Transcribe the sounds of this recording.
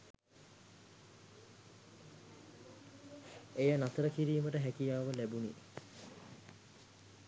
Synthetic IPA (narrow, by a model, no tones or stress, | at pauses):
ejənat̪əɾəkiɾiːməʈəɦækijaːʋəlæbunḭ